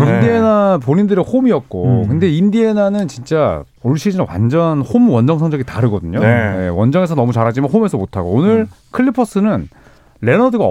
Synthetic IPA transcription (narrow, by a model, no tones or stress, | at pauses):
indienapoɲindɯɾehomiʌt̚k͈okɯnde̞indie̞nanɯnt͡ɕint͡ɕ͈a | oɭɕʰid͡ʑinawa̰nd͡ʑʌnhomwʌnd͡ʑʌŋsʰʌŋd͡ʑʌɡitaɾɯɡʌdɯɲojewʌnd͡ʑʌŋe̞sʰʌnʌmut͡ɕaɾɦad͡ʑimanɦome̞sʰʌmotʰaɡo̰onɯɾ | kʰɯɭːipʰʌs͈ɯnɯn | ɾe̞nʌdɯɡa